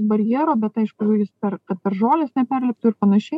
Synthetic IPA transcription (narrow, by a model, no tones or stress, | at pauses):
bɐɾʲjiːɾoːbʲɛt̪ɐɪʃkʊʒʲujɪspʲɛrkɐt̪̚pʲɛrʒoːlʲɪsnʲɛpʲɛrʲlʲɛp̚t̪ʊɪrpɐnɐʃʲɛɪ